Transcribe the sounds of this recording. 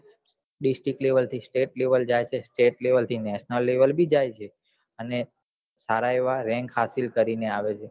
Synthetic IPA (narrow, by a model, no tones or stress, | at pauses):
ɖisʈɾikleʋəlt̪ʰisʈeʈleʋəld͡ʒajt͡ʃʰesʈeʈleʋəlt̪ʰinɛʃnəlːeʋəlbʱid͡ʒajt͡ʃʰe | əne | saɾaeʋaɾɛ̃ŋkɦasilkəɾineaʋet͡ʃʰe